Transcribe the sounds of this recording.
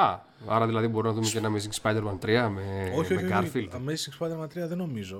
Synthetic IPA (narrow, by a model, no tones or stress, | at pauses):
ɐ | ɐ̰ɾɐðilɐðibo̞ɾunɐðumeceenɐmes̬iŋɡspɐjd̪e̞ɾmɐnt̪ɾiɐmeoçomekɐɾfild̪mesiŋɡspɐjd̪eɾmɐnt̪ɾiɐðeno̞mizo